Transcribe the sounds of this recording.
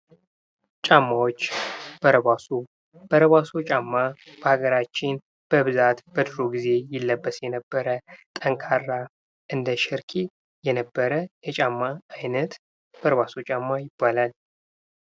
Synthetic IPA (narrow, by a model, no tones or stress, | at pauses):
t͡ʃʼamːawot͡ʃːb̥əɾəβasu | b̥əɾəβasot͡ʃʼamːab̥əhaɡəɾat͡ʃːɪn | b̥əβɨzat̪b̥əd̪ɨɾoɡize̞jɪlːəbːəsjɛnəbːəɾət̪ʼəŋkʰarːa | ʔɨnd̪əʃɪɾkʰi | jɛnəbːəɾəjɛt͡ʃʼamːaːjnət̪ | b̥əɾəβasot͡ʃʼamːajɪbːalal